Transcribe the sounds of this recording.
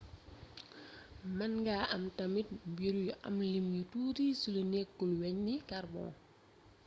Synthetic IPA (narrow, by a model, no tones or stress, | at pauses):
mɐnɡaːʔɐmtɐmit̚mbiɾujʔɐ̰mlimjutuːɾiːsulənekːulwɛɲnikarbɔ̰̃ː